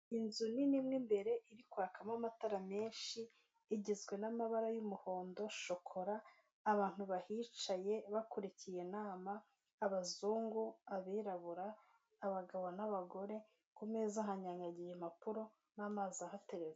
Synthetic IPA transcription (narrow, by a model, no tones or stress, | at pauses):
inzuninimŋimbe̞ɾe̞ʔiɾikuakamamataɾame̞ːnʃiː | ɟizɡwe̞namaβaɾajumuho̞ːndo̞ʃo̞kʰo̞ɾaː | βaːn̥huβahit͡ʃaje̞βakoɾecije̞naːmaː | βazuːŋɡuaβiːɾaβuɾaː | βaɡaβonaβaɡo̞ɾe̞ | kumezaɦaɲaɲɡaɟijem̥apuɾo̞ | naːmaːzahate̞ɾeze